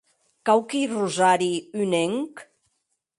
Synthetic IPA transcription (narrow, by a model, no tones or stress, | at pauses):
kawkiruzaɾiyneŋk